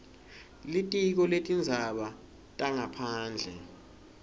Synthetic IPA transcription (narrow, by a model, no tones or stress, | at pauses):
litʼik̬ɔletʼind͡zʱaɓa | tʼaŋapʰaːnd͡ɮʱɛ̰